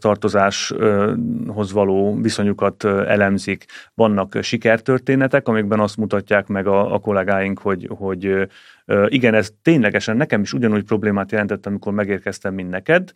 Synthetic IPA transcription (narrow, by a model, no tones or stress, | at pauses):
t̪ɒrt̪o̞zaːʃ | ɦo̞zʋɒloːviso̞ɲukɒt̪ɛ̰lɛmzikʋɒnːɒkʃikɛrt̪ø̞rt̪eːnɛt̪ɛkɒmiɡ̚bɛnɒst̪mut̪ɒcːaːkmɛɡɒ̰ːko̞lɛɡaːjiŋkho̞ɟho̞ɟ | iɡɛnɛzt̪eːɲlɛɡɛʃɛnːɛkɛmiʃuɟɒnuːɟ̚pro̞bleːmaːt̪jɛlɛnt̪ɛt̪ːɒmiko̞rmɛɡeːrkɛst̪ɛmːind̪nɛkɛd̪